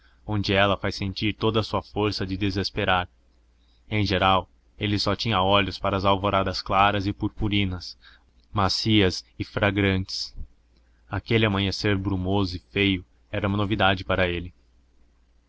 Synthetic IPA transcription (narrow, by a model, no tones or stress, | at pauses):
õnd͡ʒɪɛlɐfajsẽnt͡ʃiɾt̪od̪ɐːsuɐfoɾsɐd͡ʒɪd̪ezespeɾaɾ | ẽj̃ʒeɾaw | elɪsɔt͡ʃĩɲɐɔlʲʊspaɾɐːzawvoɾad̪ɐsklaɾɐzɪpuɾpuɾĩnɐs | masiɐzɪfɾaɡɾɐ̃nt͡ʃɪ̥s | akelɪɐmɐ̃ɲeseɾbɾumozʊɪfejʊ | ɛɾɐũmɐnovid̪ad͡ʒɪpaɾɐelɪ